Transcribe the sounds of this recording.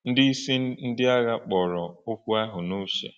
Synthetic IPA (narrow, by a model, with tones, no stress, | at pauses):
n̩˦dɪ˦i˦si˦n̩˦dɪ˦a˦ɣa˦k͡pɔ˨ɾɔ˨ʊ˦kʷu˦a˦ɦʊ˨nu˦ʃḛ˨